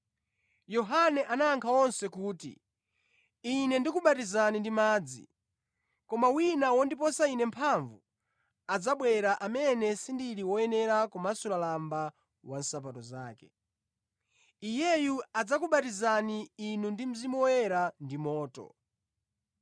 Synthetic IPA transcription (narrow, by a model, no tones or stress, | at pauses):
jɔɦanɛʔanaːŋkʰawɔnsɛkuːtḭ | inɛndikuɓatizanindimaːd͡zḭ | kɔmawinawɔndipɔsainɛmpʰaɱvu | ad͡zaɓwɛɾaʔamɛnɛsindiɾiwɔɛnɛɾakumasulalamba | wan̩sap̬atɔzaːkɛ̰ | ijɛjuad͡zakuɓatizaniːnundim̩zimɔwwɛɾandimɔːtɔ̰